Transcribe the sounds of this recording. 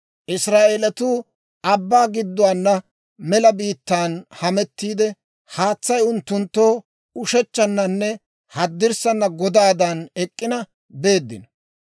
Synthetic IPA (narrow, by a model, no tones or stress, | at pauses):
ʔɪsɾaːʔelɐt̪uː | ʔɐbːaːɡɪd̪ːʊwaːnːɐ | mɛlɐbiːt̪ːaːnhɐmɛt̪ːiːd̪ɛ | haːt͡sːɐjʊnt̪ːʊnt̪ːo̞ː | ʊʃɛt͡ʃːɐnːɐnːɛ | hɐd̪ːɪɾsɐnːɐɡɔd̪aːd̪ɐnɛkʼːɪnɐ | be̞ːd̪ːɪnɐ